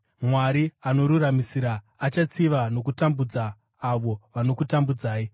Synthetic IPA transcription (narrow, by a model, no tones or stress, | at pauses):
mwaɾiano̞ɾuramisiɾaː | t͡ʃat͡siʋano̞kutambud͡zaː | ʋo̞ʋano̞kutambud͡zaːi